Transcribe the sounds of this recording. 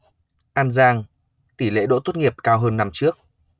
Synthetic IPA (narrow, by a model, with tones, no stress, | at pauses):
ʔaː˧nzaː˧ŋ | t̪i˧˩lḛ˧˥ɗo̰˧˥t̪o˦˥t̚ŋi˨˩əp̚kaː˧wɦəː˧nːa˧mt͡ɕɨ˦˥ək̚